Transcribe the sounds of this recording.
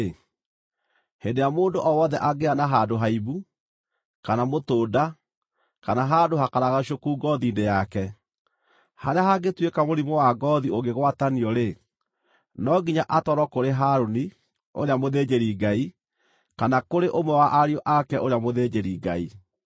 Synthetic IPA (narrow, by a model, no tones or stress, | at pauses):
hendejamoːndoʔɔwɔðɛʔaɡeanaɦadoɦaiβu | kanamotoːda | kanaɦadohakaɾaɣaɕ̬okuːɡɔðiːndejakɛ | haɾeaɦaɡetwekamoɾimowaɡɔðioɡeɣwataniɔɾe | nɔɡiɲaʔatɔɾɔkoɾeɦaɾoni | o̰ɾeamoðed͡ʒeɾiɡai | kanakoɾeʔomwɛwaʔaɾiɔʔakɛʔoɾeamoðed͡ʑeɾiɡa̰i